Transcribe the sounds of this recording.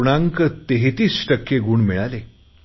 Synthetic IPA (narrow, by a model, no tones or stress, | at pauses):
ɳãŋkət̪eɦit̪iːsʈəkːeɡuːɳmiɭale